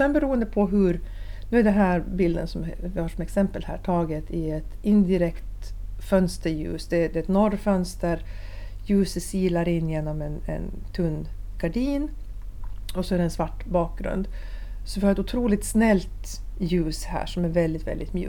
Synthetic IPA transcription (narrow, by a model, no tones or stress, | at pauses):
sɛnbɛɾuːənd̪əpʰɔɦɵɾnʉːæɖɛnɦæːɾbɪld̪ə̰nsɔmvɪhɑːʂɔmɛksɛmpəlhæ̰ːʈʰɑːɡət̪ʰɪɛt̪ɪnd̪ɪɾɛkt̪fœnst̪əɾjʉ̰ːsd̪ɛd̪ɛɛt̪nɔrːfœnst̪əɾ | jʉ̟ːsəsiːlaɾɪnːjeːnɔmɛnɛ̰nt̪ʰɵnːɡ̥aɖiːn | ɔsɔæɖɛnsvaʈːbɑːk̚ɡɾɵ̰nd̪ | sɔvɪhɑɾɛt̪ʊt̪ʰɾuːlɪt̪snɛlt̪ | jʉ̟ːshæ̰ːʂɔmæɾvɛld̪ɪt̪vɛ̰ld̪ɪt̪mjʉ̰ː